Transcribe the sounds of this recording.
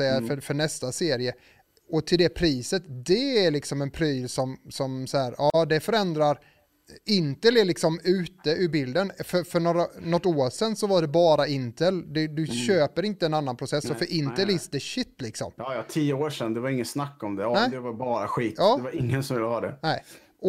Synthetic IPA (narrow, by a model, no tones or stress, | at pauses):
ɛjːafœfœɳɛst̪aseːɾɪə | ɔt̪ʰɪld̪ɛpʰɾiːsət̪d̪ɛæɾɭɪksɔmɛnpʰɾiːlsɔmsɔmsæːɾɑːd̪ɛfœɾɛnd̪ɾaɾ | ɪnt̪əlæɭɪksɔmʉ̟ːt̪əʉbɪld̪ənfœɾfœɳoɾanɔt̪ːoːɾʂɛnːsɔvaɖɛbɑːɾaɪnt̪əld̪ɛd̪ɵɕøːpəɾɪnt̪əɛnanːanpʰɾʊsɛsːɔfœɾʔɪnt̪əlɪsd̪ɛɕɪt̪ːlɪksɔ̰mjɑːjɑt̪ʰiːjəoːʂɛnːd̪ɛvaɾɪŋːənsnakːɔmd̪ɛnɛɪd̪ɛvaɾbɑːɾa̰ɧiːt̪ɑːd̪ɛvaɾɪŋːənsɔmvɪlːəhɑːd̪ɛ̰nɛɪ | ʔɔ